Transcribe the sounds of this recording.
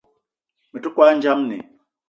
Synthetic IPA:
mə˨tu˦kwa˦n̩˦d͡ʒa˦mnḛ˨

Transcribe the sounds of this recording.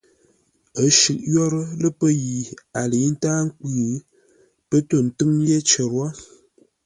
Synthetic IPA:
ə˦ʃʉ˨ʔjɔ˦ɾə˦lə˦pə˦ji˨a˨lə˨˦n̩˦taː˦ŋ̩˦ki˦˨ | pə˦to˦˨n̩˨tɨ˦ŋje˦t͡ʃə˨ɾwa˦

